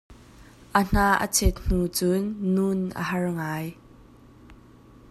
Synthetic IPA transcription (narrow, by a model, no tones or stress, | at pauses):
ʔən̥aʔə̰t͡sʰɛt̪̚n̥ut͡suːunʔə̰ɦɐrŋaːj